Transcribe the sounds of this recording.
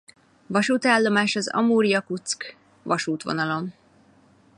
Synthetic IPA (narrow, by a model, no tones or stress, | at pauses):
vɒʃuːt̪aːlːo̞maːʃɒzɒ̰muːɾijɒkut̪sk | ʋɒʃuːt̪ʋo̞̰nɒlo̞m